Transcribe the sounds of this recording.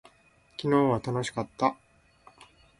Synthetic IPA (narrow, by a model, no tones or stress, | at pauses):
kʲino̞ːβat̪ano̞ɕi̥kat̪ːa